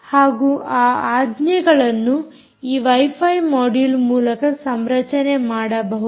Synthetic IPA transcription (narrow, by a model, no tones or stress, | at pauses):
haːɡuːʔaːaːd̪nɐɡɐɭɐnːu | iːʋɐjpʰɐjmɔːɽilmuːlɐkɐsɐmɾɐt͡ʃɐne̞maːɽɐbɐɦu